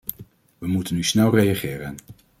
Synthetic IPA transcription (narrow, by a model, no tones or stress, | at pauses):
ʋəmutənːysnɛlˠrejaχɪːɾən